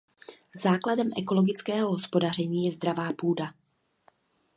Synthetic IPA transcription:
zaːkladɛmʔɛko̞loɡɪt͡skɛːɦoɦospo̞dar̝ɛɲiːjɛzd̪ɾavaːpuːda

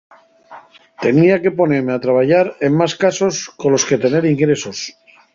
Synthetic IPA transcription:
t̪e̞niake̞po̞ne̞ɾme̞at̪ɾaβ̞ajʝaɾe̞mmaskaso̞sko̞nlo̞ske̞t̪e̞ne̞ɾiŋɡɾe̞so̞s

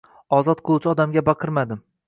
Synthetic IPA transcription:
ɒzɒt̪̚qʰɨlˠuwt͡ʃʰɪɒd̪amɡʲabɑqʰɨɾmad̪ɪm

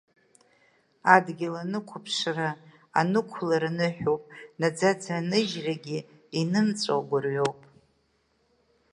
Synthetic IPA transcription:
adɡʲɪlanɨkʷʰapʰʂra | a̰nɨkʷʰlaɾanɨħᶣopʼnad͡zad͡zʰanɨʒraɡʲi | inɨnt͡sʷʼo̰wɡʷʊrɥowpʼ

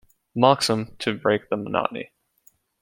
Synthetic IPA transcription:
mɑksə̃mtʰɨbɹeɪk̚ðəmənɑ̰ʔn̩ḭ

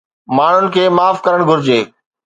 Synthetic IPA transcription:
maːɳ̤ʊnɪ̆kʰeːmaːfkɐɾəɽ̃ɡʱʊɾɪd͡ʑeː

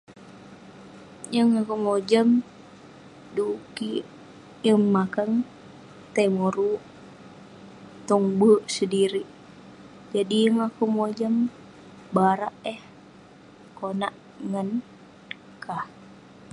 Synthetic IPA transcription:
jəŋakumod͡ʒəm | duki | jəŋːakəŋ | t̪emoɾuʔ | t̪uŋbəʔsədiɾiʔ | d͡ʒadijəŋakumod͡ʒəm | baɾaʔəh | konaʔ | ŋən | kʰah

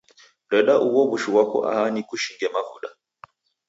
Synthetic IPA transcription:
ɗɛɗaʔuwɔɓuʃuwakɔ̰ʔa̰ɦanikuʃiŋɡɛmavṵɗa

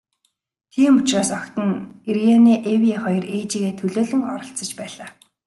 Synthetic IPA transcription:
t̪ʰiːmʊt͡ɕraːsɔkt̪ə̆nerjaniːʔewʲiaχɔjɞ̆reːt͡ɕiːɣeːt̪ʰɵɮoːɮɘ̆ŋɔɾɞ̆ɬt͡sə̆t͡ɕpæːɮaː

